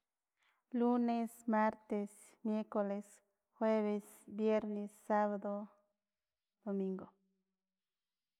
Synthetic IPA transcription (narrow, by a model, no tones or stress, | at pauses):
lunesmaɾt̪es | mjeɾkoles | xweβes | bjeɾnesːaβad̪o | d̪̥omĩŋɡo